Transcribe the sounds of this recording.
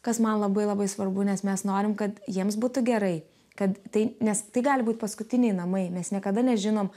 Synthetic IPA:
kɐsmɐnlˠɐbɐɪlˠɐbɐɪsʋɐrbʊnʲɛsmʲɛsnoːɾʲɪmkɐt̪jiɛms̬buːt̪ʊɡʲɛɾɐɪ | kɐt̪t̪ɐɪnʲɛst̪ɐɪɡɑːlʲɪbuːt̪ʲpɐskʊt̪ʲɪnʲɛɪnɐmɐɪmʲɛsnʲiɛkɐd̪ɐnʲɛʒʲɪnoːm

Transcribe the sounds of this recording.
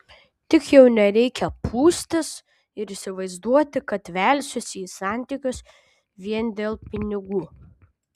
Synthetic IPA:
t̪ʲɪkjɛʊnʲɛɾʲɛɪkʲɛpʰuːsʲt̪ʲɪs | ɪɾɪsʲɪʋɐɪzd̪uɔt̪ʲɪkɐt̪ʋʲɛˑlʲsʲʊsʲiːsɑˑnʲt̪ʲiːˑkʲʊs | ʋʲiɛnd̪ʲeːlˠpʲɪnʲɪɡuː

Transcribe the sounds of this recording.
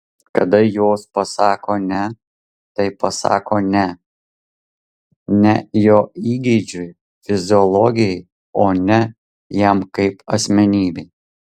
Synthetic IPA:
kɐd̪ɐjoːspɐsɑːkoːnʲɛ | t̪ɐɪpɐsɑ̰ːkoːnʲɛ | nʲɛjoːiːɡʲɛɪd͡ʒʲʊj | fʲɪzʲɪɔlˠɔːɡʲɪjɛɪ | oːnʲɛ | jɛmkɐɪpɐsʲmʲɛnʲiːbʲɛɪ

